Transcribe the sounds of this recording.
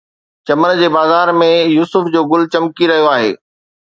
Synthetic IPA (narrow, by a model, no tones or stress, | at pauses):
t͡ɕɐmənd͡ʑeːbaːzaːɾmẽjuːsʊfd͡ʑoːɡʊlt͡ɕɐmkiɾɐɦijoaːɦḛː